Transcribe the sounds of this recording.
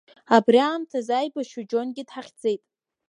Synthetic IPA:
abriaːmtʰazajbaʃad͡ʒo̞nɡʲɪdħaχʲd͡ze̞jtʼ

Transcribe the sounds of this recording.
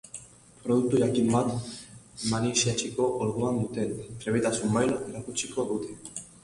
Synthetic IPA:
pʰʼɾɔd̪uk̚t̪ʼujakinmat̪ʰ | maniʃɛt͡ʃʰikʼɔʔɔɾɣulanmut̪ʰʼɛnt̪ɾɛβɛt̪ʼasumajlɾakut͡ʃʰikʰʼɔʔut̪ʰi

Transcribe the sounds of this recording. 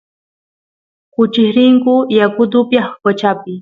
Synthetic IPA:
kʊt͡ʃɪhɾɪŋkʊjakʊd̪ʊpjaxpat͡ʃapɪ

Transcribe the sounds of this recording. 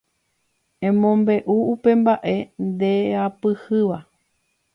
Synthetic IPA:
ẽ̞mõmbe̞ʔuupe̞mbaʔe̞nd̪e̞apɨhɨʋa

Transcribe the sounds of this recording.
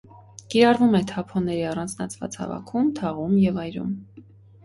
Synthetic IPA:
kiɾɑrvumɛt̪ʰɑpʰɔnɛɾiɑrɑnd͡znɑt͡sʰvɑ̰t͡shɑ̰vɑ̰kʰumt̪ʰɑʁumjɛvɑjɾṵm

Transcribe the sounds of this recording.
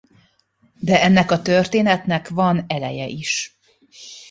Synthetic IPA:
d̪ɛɛnːɛkɒt̪ørt̪eːnɛt̪nɛkvɒnɛlɛjɛ̰ʔiʃ

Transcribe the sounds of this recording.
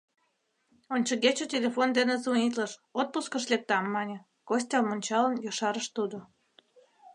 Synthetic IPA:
onʲt͡ɕəɣet͡ɕotʲelʲefond̪enezunʲit̪ləʃot̪̚puskəʃlek̚t̪ɑmːɑnʲĕ | kos̬ʲt̪ʲɑlmonʲt͡ɕɑlənjoʃɑɾəʃt̪ud̪o

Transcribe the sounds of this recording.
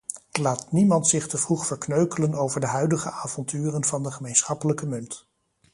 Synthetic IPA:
laːtnimɑntsɪχtəvruχfəɹknøɥkələnowvəɹdəɦœɥdəχə̰aːvɔntyːrənvɑndəχəmejnsχɑpələkəmɵnt

